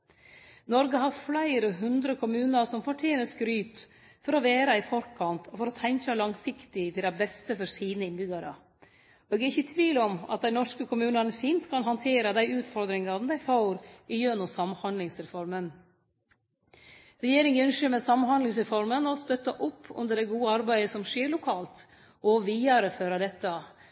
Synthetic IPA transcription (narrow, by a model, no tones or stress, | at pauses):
nɔɾɡəɦɑɾflæɪɾəɦʉnd̪ɾəkʰʊmʉːnəɾsɔmfɔʈʰeːnəskɾyːt̪ | fɔɾɔʋeːɾɑɪfɔɾkʰɑnt̪ʰɔfɔɾɔt̪ʰɛŋkɑlɑŋsɪkt̪ɪt̪ɪld̪æɪbɛst̪əfɔɾsiːnəɪnbʏɡɑɾə̰ | eːɡæɾɪçət̪ʰʋiːlɔmɑ̰t̪̚d̪æɪnɔʂkəkʰʊmʉːnɑnəfiːnt̪kʰɑnɦɑnt̪ʰeːɾɑd̪æɪʉːt̪fɔɾd̪ɾɪŋɑnd̪æɪfɑʊɾɪjœnʊsɑmːhɑnd̪lɪŋsɾɛfɔɾmən | ɾɛjeːɾɪŋʉnʂøːmɛsɑmhɑnd̪lɪŋsɾɛfɔɾmənɔst̪œt̪ːɑʔʊpʰːʉ̰nd̪əɖɛɡuːəɑɾbæɪəsɔmʂeːɾlʊkʰɑːlt̪ | ʔɔʋiːɑɾəføːɾɑd̪ɛt̪ːɑ